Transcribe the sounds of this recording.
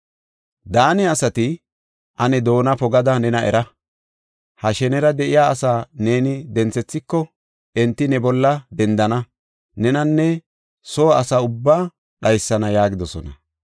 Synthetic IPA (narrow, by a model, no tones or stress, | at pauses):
d̪aːnɛɐsɐt̪ɪ | ʔɐnɛd̪o̞ːnɐpɔɡɐd̪ɐnɛnɐʔɛ̰ɾɐ | hɐʃɛnɛɾɐd̪ɛʔɪjaːɐsaːne̞ːnɪd̪ɛnt͡sɛt͡sːɪkːɔ | ʔɛnt̪ːɪnɛbɔlːɐd̪ɛnd̪ɐnɐ | nɛnɐnːɛ | soːɐsaːʊbːaː | ɗɐjsːɐnɐjaːɡɪd̪ɔsɔnɐ̰